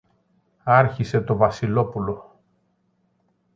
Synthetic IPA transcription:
ɐɾçise̞t̪o̞vɐsilo̞pulo̞

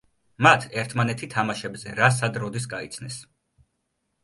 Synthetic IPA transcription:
mat̪ʰɛɾt̪ʰmanɛt̪ʰit̪ʰamaʃɛbzɛɾas̬ad̪ɾɔd̪isɡait̪sʰnɛs

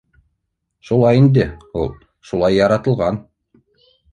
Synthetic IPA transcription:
ʃulˠɑjind̪ɘulˠ | ʃulˠɑjːɑɾɑt̪ɤ̆lˠʁɑn

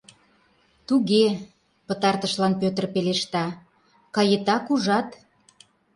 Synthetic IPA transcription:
t̪uɣe | pət̪ɑrt̪əʃlɑnpøt̪ərpeleʃt̪ɑ | kɑjet̪ɑkuʒɑt̪

